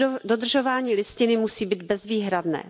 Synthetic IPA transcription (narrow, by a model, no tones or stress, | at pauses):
dod̪r̩ʒo̞vaːɲiːlɪscɪnɪmusiːbiːd̪bɛzviːɦɾadnɛ̰ː